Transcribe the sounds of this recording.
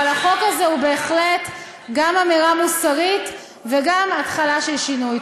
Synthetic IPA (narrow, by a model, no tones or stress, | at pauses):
alaχo̞kazeube̞ːχlet̪ | ɡamamiʁamusaʁit̪ | veɡamat̪χalaʃelʃinuj